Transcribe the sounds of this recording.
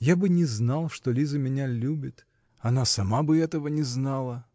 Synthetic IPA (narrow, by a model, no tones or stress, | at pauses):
jabɨnʲɪznalˠʂt̪olʲizəmʲɪnʲalʲubʲɪt̪ | ɐnasɐmabɨɛt̪əvənʲɪznalˠə